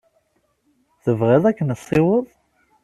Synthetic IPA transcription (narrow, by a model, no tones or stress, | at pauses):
θəvʁiðˤækːənəsˤːiwəðˤ